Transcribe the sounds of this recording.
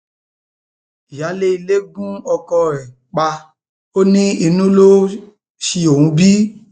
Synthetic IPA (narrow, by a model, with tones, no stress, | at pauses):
ja˨˦le˦i˨le˦ɡũ˦ɔ˧kɔ˧ɛ˨ | k͡pa˧ | o˦nĩ˦i˧nũ˦lo˦ | ʃi˧o˨ũ˧˦bi˦